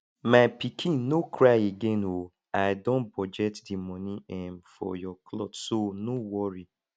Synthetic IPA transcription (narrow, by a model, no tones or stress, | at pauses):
maɪpikʰĩnːokʰɹajeɡẽno | aɪdõnbɔd͡ʒɛtdimɔniɛmfɔ̰jɔkʰlɔtsonowɔɹi